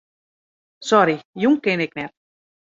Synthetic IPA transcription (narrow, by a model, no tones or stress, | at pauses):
sɔɾijuŋkɪnɪknɛt̚